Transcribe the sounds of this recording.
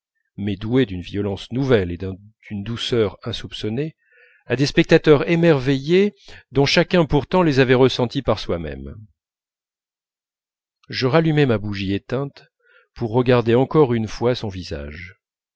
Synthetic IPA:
mɛd̪ued̪ynviɔlɑ̃snuvɛled̪ɛ̃ | d̪̥ynd̪usœʁɛ̃supsɔne | ad̪espɛk̚t̪at̪œʁemɛʁvejed̪ɔ̃ʃakʲɛ̃puʁt̪ɑ̃lezavɛʁəsɑ̃t̪ipaʁswamɛ̰m | ʒəʁalymɛmabuʒiet̪ɛ̃t̪ | puʁːəɡaʁd̪eɑ̃kɔʁynfwasɔ̃viza̰ʒ

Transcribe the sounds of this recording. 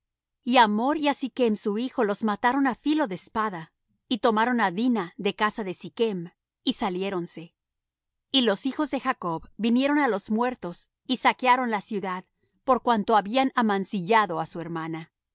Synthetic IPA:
iamoɾiasike̞msuixo̞lo̞zmat̪aɾo̞nafilo̞ðespaða | it̪o̞maɾo̞naðinaðe̞kasaðesike̞m | isalje̞ɾo̞nse̞ | ilo̞sixo̞zðe̞xako̞βbinjeɾo̞nalo̞zmwe̞ɾt̪o̞s | isakeaɾo̞nlasjuðað | po̞ɾkwant̪o̞aβianamansiʝaðo̞asue̞ɾmana

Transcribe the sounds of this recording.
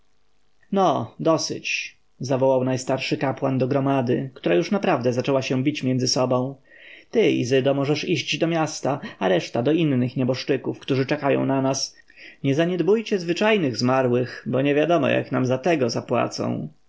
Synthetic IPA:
nɔd̪ɔsɘ̰t͡ɕ | zavɔwawnajst̪aɾʂɘkapwand̪ɔɡɾɔmad̪ɘkt̪uɾajuʂnapɾavd̪ɛzat͡ʂɛwaɕɛ̃bʲit͡ɕmʲjɛnzɘsɔbɔ̃w̃ | t̪ɘḭzɘd̪ɔmɔʐɛʂiɕd͡ʑd̪ɔmʲjast̪aaɾɛʂt̪ad̪ɔinːɘxɲɛbɔʂt͡ʂɘkufkt̪uʐɘt͡ʂɛkajɔ̰̃w̃nanas | ɲɛzaɲɛd̪bujt͡ɕɛzvɘt͡ʂajnɘɣzmaɾwɘxbɔɲɛvʲjad̪ɔmɔ̰ja̰knamzat̪ɛɡɔzapwa̰t̪sɔ̰̃w̃

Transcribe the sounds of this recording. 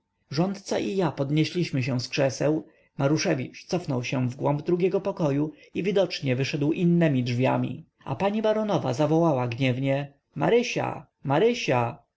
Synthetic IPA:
ʐɔnt̪t̪saʔijapɔd̪ɲeɕlʲiɕmɘɕɛ̃skʂɛsɛw | maɾuʂɛvʲit͡ʂt̪sɔfnɔwɕɛ̃vɡwɔmbd̪ɾuɡʲjɛɡɔpɔkɔju | ivʲid̪ɔt͡ʂɲɛvɘʂɛd̪wʔinːɛmʲidʐvʲjamʲḭ | a̰paɲibaɾɔnɔva̰zavɔwawaɡɲɛvɲɛ | ma̰ɾɘɕa̰ | maɾɘɕa

